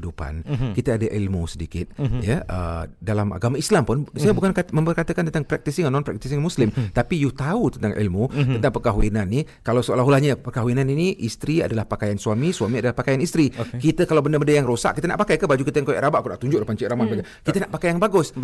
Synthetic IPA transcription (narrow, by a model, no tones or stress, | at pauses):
dupa̰nkit̪əadaʔilmusədikɪt̪̚jəʔə̰dalama̰ɡamaislampʊnsajəbukankamə̃mpərkat̪əkant̪ənt̪aŋpɾɛk̚t̪isɪŋanːɔnpɾɛk̚t̪isɪŋmuslɪmt̪apijut̪aut̪ənt̪aŋʔḭlmut̪ənt̪aŋpərkaɦuinanːi | kalawsəalaɦulahɲəpərkaɦuinaniniʔist̪ɾia̰dalahpakajansuamisuamiadalahpakajanist̪ɾikit̪əkalawbəndəmbəndəjaŋɾosa̰ʔkːit̪əna̰ʔpakajkəbad͡ʒukit̪əjaŋkoja̰ʔɾabaʔkuna̰ʔt̪uɲd͡ʒʊʔdapaɲt͡ʃiʔɾamanbaɡa | kit̪ənaʔpakajaŋbaɡʊs